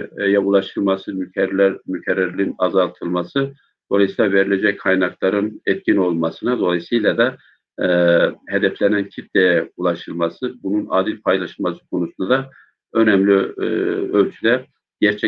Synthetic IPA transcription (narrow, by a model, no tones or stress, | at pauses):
jɛulˠɑʃɯlˠmasɯmyɛɾlæɾmycʰɛɾːaɾliinɑzɑlˠt̪ʰɯlˠmasɯ | d̪̥o̞lˠajsɯjlʲˠaveɾilʲɛd͡ʒɛckʰajnɑklˠɑɾɯnɛt̪̚cʲʰino̞lˠmɑsɯnad̪o̞lˠɑjsɯjlʲˠad̪a | hɛd̪ɛflʲɛnæncʰit̪̚d̪ɛjulˠɑʃɯlˠmasɯbununa̰ːd̪ilʲpʰajlˠaʃɯlˠmasɯ̥kʰo̞nusund̪ad̪a | ø̞nɛmlʲi | ølʲt͡ʃʰylɛɾ | ɟ̥æɾt͡ʃʰɛ